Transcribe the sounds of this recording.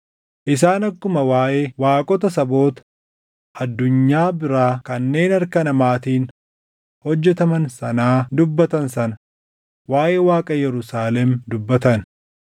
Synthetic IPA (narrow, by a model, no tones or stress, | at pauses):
ʔɪs̬aːnɐkːʊmɐwaːʔeːwaːkʼɔt̪ɐsɐbo̞ːt̪ɐ̥ | ʔɐd̪ːʊɲːaːbɪɾaːkɐnːe̞ːnɐɾkɐnɐmaːt̪iːn | hɔd͡ʒːɛt̪ɐmɐnsɐnaːd̪ʊbːɐt̪ɐnsɐnɐ | waːjʔeːwaːkʼɐjɛɾʊsaːlɛmd̪ʊbːɐt̪ɐn